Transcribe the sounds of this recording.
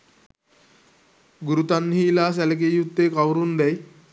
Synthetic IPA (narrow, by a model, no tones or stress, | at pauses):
ɡuɾut̪anːɦiːlaːs̬ɛlek̬ejut̪ːeːkawɾund̪ɛj